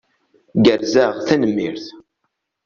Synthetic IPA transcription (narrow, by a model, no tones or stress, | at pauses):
ɡəɾzaʁθænəmːḭɾθ